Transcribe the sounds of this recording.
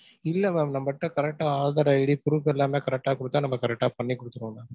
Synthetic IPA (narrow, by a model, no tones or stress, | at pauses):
ɪlːɐmeːmnɐmbɐʈːɐ̃kɐɾɛk̚ʈːaaːɭðaːɾɐɛɽipʊɾufɛlːaːmeːkɐɾɛk̚ʈːaːkʊɽɯt̪ːaːnɐmːɐkɐɾɛk̚ʈːaːpɐɳːikːʊɽɯt̪ːɯɾũːnaː